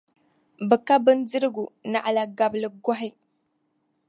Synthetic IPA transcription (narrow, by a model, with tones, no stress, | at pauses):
bə˨ka˦bə˦nd͡zə˦ɾɡu˨na˨ʔla˨ɡa˨blə˨ɡʷa˦ɦi˦